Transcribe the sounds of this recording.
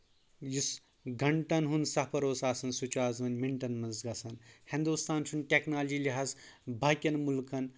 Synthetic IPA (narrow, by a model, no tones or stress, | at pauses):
jis | ɡʱɐɳʈɐnɦunsɐpɐɾoːsaːsɐnsut͡ʃaːzʋɐnʲmiɳʈɐnmɐnzɡɐsɐnhind̪ust̪ʰaːnt͡ʃʰunʈʲeknaːld͡ʒiːlʲiɦaːzbʱaːkʲɐnmulkɐn